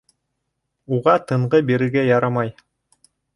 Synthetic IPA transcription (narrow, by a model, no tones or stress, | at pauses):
uʁɑt̪ɤ̆ɴʁɤbiɾɘ̆ɾɡæjɑɾɑmɑj